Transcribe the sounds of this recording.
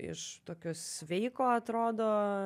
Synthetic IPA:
ɪ̰ʃt̪oːkʲoːssʲʋʲɛɪkoːɐt̪ɾoːd̪oː

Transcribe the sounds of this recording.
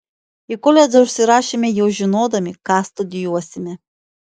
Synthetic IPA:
ikɔlʲɛd̪zɔʃsʲɪɾɑːʃʲimʲɛjɛwʒʲɪnoːd̪ɐmʲɪkɑːst̪ʊd̪ʲɪjuɔsʲɪmʲɛ

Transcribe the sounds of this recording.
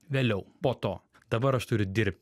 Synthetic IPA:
ʋʲeːlʲɛʊpoːt̪oː | d̪ɐbɐɾɐʃt̪ʊɾʲʊd̪ʲɪɾʲp̚ʲt̪ʲ

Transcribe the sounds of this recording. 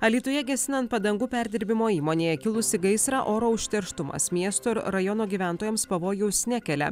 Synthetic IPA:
ɐlʲiːt̪ʊjɛɡʲɛsʲɪnɐnt̪̚pɐd̪ɐŋɡuːpʲæɾʲd̪ʲɪɾʲbʲɪmoːiːmoːnʲeːjɛkʲɪlˠʊsʲɪɡɐɪsɾɑʔoːɾoːʊʃʲt̪ʲɛɾʃt̪ʊmɐ̰smʲiɛst̪oɪɾɾɐjɔːnoːɡʲiːʋʲæˑnt̪oːjɛmspɐʋoːjɛʊsʲnʲækʲɛlʲɛ̰

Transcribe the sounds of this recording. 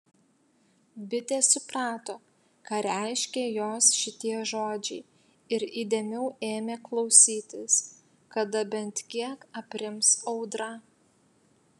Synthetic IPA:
bʲɪt̪ʲeːsʊpɾɑːt̪oː | kɐɾʲæˑɪʃʲkʲeːjoːsʃʲɪt̪ʲiɛʒoːd͡ʒʲɛɪ | ɪɾiːd̪ʲeːmʲɛʊeːmʲeːklˠɒʊsʲiːt̪ʲɪs | kɐd̪ɐbʲɛnt̪kʲiɛkɐpʲɾʲɪmsɒʊd̪ɾɐ

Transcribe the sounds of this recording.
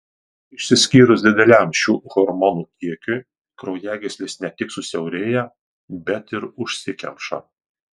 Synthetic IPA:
ɪʃʲsʲɪsʲkʲiːɾʊsʲd̪ʲɪd̪ʲɛlʲæˑmʃʲuːɣɔɾmɔnuːkʲiɛkʲʊ | kɾɔʊjæːɡʲɛsʲlʲɪsnʲɛt̪ʲɪksʊsʲɛʊɾʲeːjɛ | bʲɛt̪ɪɾʊʃʲsʲɪkʲɛ̰mpʃɐ̰

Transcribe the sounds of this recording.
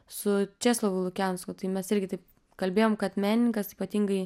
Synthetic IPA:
sʊt͡ʃʲæːslˠoːʋʊlˠʊkʲɛʊnskot̪ɐɪmʲɛsɪɾʲɡʲɪt̪ɐɪp̚ | kɐlʲbʲeːjoːmkɐt̪mʲæːnʲɪnʲɪŋkɐsiːpɐt̪ʲiːŋɡɐɪ

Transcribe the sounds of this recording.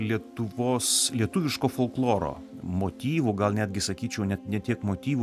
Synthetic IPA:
lʲiɛt̪ʊʋoːslʲiɛt̪ʊʋʲɪʃkoːfolˠklˠoːɾo̰ː | moːt̪ʲiːʋuɡɐlˠnʲæːd̪ʲɡʲɪsɐkʲiːt͡ʃʲɛʊnʲɛt̪nʲɛt̪ʲiɛkmoːt̪ʲiːʋu

